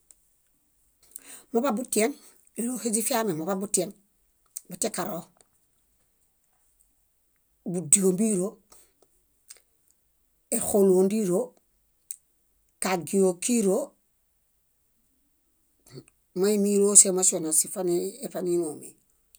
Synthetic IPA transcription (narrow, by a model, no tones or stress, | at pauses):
mobabutien | elohed͡ʒifiamemobabutien | batekaɾo | budiombiɾo | exoluondiɾo | kaɡijokiɾo | maimiɾosemasionasifaniefaninomḭ